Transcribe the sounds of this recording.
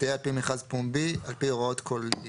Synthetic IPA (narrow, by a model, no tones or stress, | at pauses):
eapimeχazpumbialpioʁaot̪kʰol